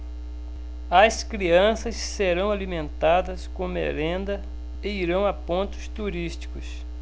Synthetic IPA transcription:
ɐskɾiɐ̃sɐsːeɾɐ̃w̃alimẽnt̪ad̪ɐskõmḛɾẽnd̪ɐ | eiɾɐ̃w̃apõnt̪ʊ̥st̪uɾist͡ʃi̥kʊs

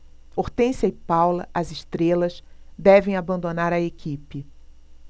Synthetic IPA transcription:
oɾt̪ẽsɐipawlɐʔɐzɪʃt̪ɾelɐsd̪ɛvẽj̃abɐ̃nd̪onaɾɐekipɪ

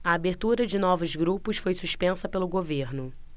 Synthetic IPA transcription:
ɐabeɾt̪uɾɐd͡ʒɪnɔvʊzɡɾupʊsfojsuʃpẽsɐpelʊɡoveɾnʊ

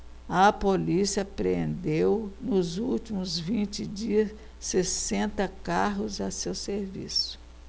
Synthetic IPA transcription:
ɐpolisiɐpɾḛ̃nd̪ewnʊzuwt͡ʃimʊzvĩnt͡ʃɪd͡ʒiɐs | sesẽnt̪ɐkaɦʊzɐsewseɾvḭsʊ̥

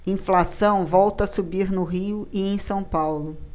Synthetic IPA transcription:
ĩflasɐ̃w̃vɔwt̪ɐasubiɾnʊɦiʊiẽj̃sɐ̃w̃pawlʊ

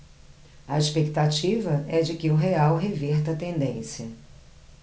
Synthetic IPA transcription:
ɐeʃpekt̪at͡ʃivɐɛd͡ʒɪkɪʊɦeawɦeveɾt̪ɐt̪ẽnd̪ẽsiɐ

